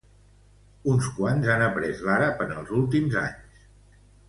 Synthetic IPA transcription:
unskwanzanəpɾɛzlaɾapənəlˠzulˠt̪imza̰ɲs

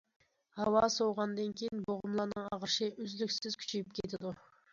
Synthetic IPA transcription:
hɑwɑsowʁɑnd̪ɨnkʲʰejinboʁʊmlˠɑɾnɨŋɑʁɾʃɪʔøzlykʲsɪz̥kʲʰy̥t͡ʃʰejyp̚kʲʰet̪ʰɪd̪u

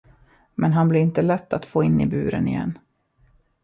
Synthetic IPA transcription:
mɛnɦanblɪɾɪnt̪əlɛt̪ːat̪foːɪnːɪ̰bʉ̟ːɾə̰nɪjɛ̰nː

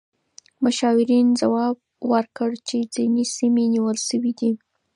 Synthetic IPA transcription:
mʊʃɑwɪɾind͡zawɑb̚wəɾkəɽt͡ʃed͡zinesimeniwəlʃəwid̪i

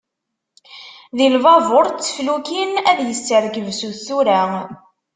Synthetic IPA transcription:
ðilvɑvʊɾt͡sːə̥flukinæðjəsːəɾɡəvsuθθuɾa

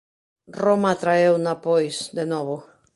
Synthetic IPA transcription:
romat̪ɾaewnapojsd̪enɔβo

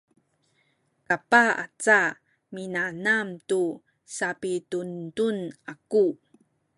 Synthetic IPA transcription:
kapaa̰t͡sa | minanamtu | sapituntunaku

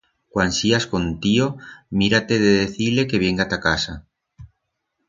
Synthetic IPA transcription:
kwansiasko̞nt̪iomiɾat̪eðeðeθile̞ke̞βeŋɡat̪akasa

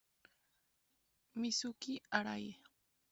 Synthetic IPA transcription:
misukiaɾaj

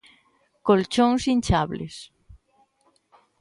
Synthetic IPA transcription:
kolt͡ʃoŋsint͡ʃaβlḛs

